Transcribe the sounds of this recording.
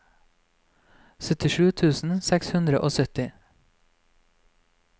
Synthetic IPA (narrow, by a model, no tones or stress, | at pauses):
sœt̪ɪʃʉːt̪ʰʉːsn̩sɛkshʉnd̪ɾəʔoːsœt̪ɪ